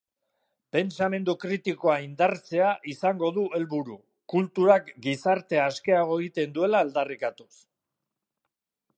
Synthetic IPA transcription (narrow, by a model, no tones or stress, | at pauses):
pe̞nt͡same̞nd̪ukɾit̪iko̞aind̪aɾt͡se̞aʔisaŋɡo̞ðue̞lβuɾu | kult̪uɾakɡisaɾt̪e̞aske̞aɣo̞eɣit̪e̞nd̪ue̞laːld̪arikat̪us